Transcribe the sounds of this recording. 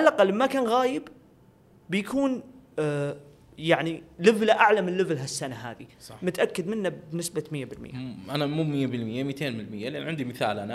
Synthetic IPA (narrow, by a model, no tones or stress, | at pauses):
ʔalʔaqalːmakaːnɣaːjɪbː | ɪjakuːn | jaʕnilɪvlaʔaʕlamɪlːɪvlɦasːanaɦa̰ːðisɑmʊt̪ʔakːɪd̪mɪnːabbnɪsbamɪjːabɪlmɪ̰jaʔanamuːmɪjːabɪlmɪjːamiːt̪ʰeːnmnlmɪjːalʔanʕɪnd̪imɪθa̰ːlʔana